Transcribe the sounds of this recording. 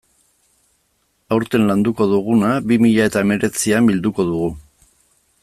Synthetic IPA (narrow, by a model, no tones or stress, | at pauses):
awɾt̪e̞nland̪uko̞ðuɣ̞unaβimiʎae̞t̪ae̞me̞ɾe̞t͡siambild̪uko̞ðuɣu